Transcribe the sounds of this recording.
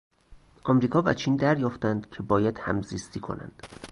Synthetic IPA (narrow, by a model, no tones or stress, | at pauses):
ʔɒmɾiːkʰɒːvæ̰t͡ʃʰiːnd̪æɾjɒːft̪ænd̪̥cʰe̞bɒːjæd̪̥hæ̰mziːst̪ʰiːkʰo̞̰næ̰nd̪̥